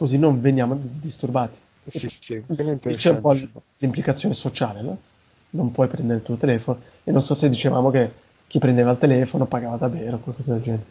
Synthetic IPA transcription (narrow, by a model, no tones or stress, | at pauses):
kozinːoɱvenjaːmod̪ist̪urbaːt̪i̥ | nit͡ʃɛumpɔ | limplikat̪sːjoːnesot͡ʃaːlenɔ | nompwɔjpɾɛnd̪eɾelt̪uot̪elɛːfono | enːonsɔsed̪ːit͡ʃevaːmok̟e | k̟ːipːɾend̪eːvalt̪elɛːfonopaɡaːvad̪aveːɾokwalkɔːzad̪eld͡ʒɛnt̪e